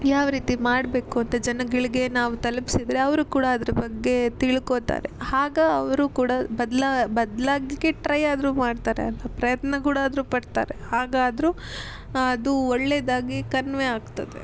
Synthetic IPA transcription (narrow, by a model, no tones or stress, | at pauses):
jaːʋɾiːt̪imaːɽbe̞ːkuɐnt̪ɐd͡ʒɐnɐɡɐɭiɡe̞naːʋut̪ɐlpi̥sid̪ɾeɐʋɐɾukuːɽaɐd̪ɾɐbɐɡːe̞t̪iɭkot̪a̰ːɾehaːɡeɐʋɐɾukuːɽabɐd̪labɐd̪laːɡɐɡeʈɾɐjaːd̪ɾuːmaːɖt̪aːɾeɐlːɐpɾɐjɐt̪nɐkuːɽaːd̪ɐɾupɐɽt̪a̰ːɾehaːɡaːd̪ɐɾuː | ɐd̪uɔɭːeːd̪aːɡikɐnʋeaːɡt̪ɐd̪ḛ